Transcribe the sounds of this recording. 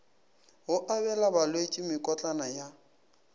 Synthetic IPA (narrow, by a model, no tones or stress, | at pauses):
ɦʊʔabɛlabalwet͡ʃʼɪmɪkʼɔt͡ɬʼanaja